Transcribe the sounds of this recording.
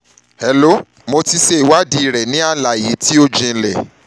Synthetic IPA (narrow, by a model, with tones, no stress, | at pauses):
hɛ˨lo˨˦ | mo˧ti˧ʃe˧i˨wa˦di˧i˨ɾɛ˨nĩ˨˦a˦la˨ji˨˦ti˦o˦d͡ʒĩ˧lɛ˨